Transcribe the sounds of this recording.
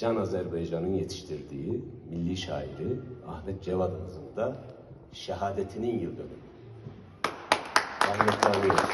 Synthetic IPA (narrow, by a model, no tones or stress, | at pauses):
d͡ʒanazæɾbajd͡ʒanɯnjet̪ʰi̥ʃt̪ʰiɾd̪iːimilʲːiːʃa̰ːiɾiahmɛt̪̚d͡ʒevad̪hɯzɯnd̪a | ʃɛhaːd̪et̪ʰininjɯlˠd̪øɾy | ahmɛt̪ʰlʲaɾˠɯj